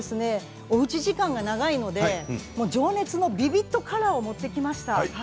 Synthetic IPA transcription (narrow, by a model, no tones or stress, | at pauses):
esɨne̞ | oɯ̟t͡ɕiʑikãŋɡanaɡaino̞d̪emo̞ːd͡ʑo̞ːne̞t͡sɨno̞bʲibʲit̪ːo̞kʰaɾaomo̞t̪ːe̞kʲimaɕi̥t̪a